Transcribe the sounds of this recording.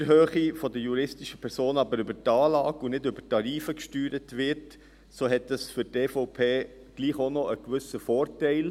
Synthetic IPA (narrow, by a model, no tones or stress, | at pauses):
əɾɦøːχifɔdəjuɾɪstiʃəpʰɛɾsoːnɑbəɾʏbəɾtɑːlɑːɡunɪdʏbətɑɾiːfəkʃtyːɾətʋɪɾt | soːɦɛtdɑsfʏteːfɔʊpʰeː | ɡ̥liːχonɔʔəkʋʏsəfɔːɾtɛɪl